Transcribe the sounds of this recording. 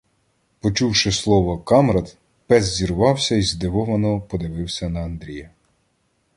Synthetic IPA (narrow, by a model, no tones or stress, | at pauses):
pɔt͡ʃuwʃɪslˠɔʋɔkɑmɾɐd̪ | pɛzzʲiɾʊʋɑwsʲɐizd̪ɪʋɔʋɐnɔpɔd̪ɪʋɪwsʲɐnɐɐnd̪ɾʲijɐ